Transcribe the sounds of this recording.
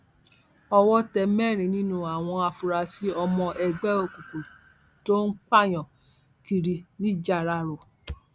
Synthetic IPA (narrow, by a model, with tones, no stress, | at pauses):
ɔ˧wɔ˦tɛ˧mɛ˦˨ɾ̃ĩ˨nĩ˦nũ˦a˨w̃ɔ̃˧a˧fu˧ɾa˧si˦ɔ˧mɔ̃˧ʔɛ˧ɡ͡bɛ˦o˧˨ku˨ko˨ | to˦n̩˦k͡pa˦˨j̃ɔ̃˨ | ki˧ɾi˧nĩ˦d͡ʒa˦˨ɾa˧ɾo˨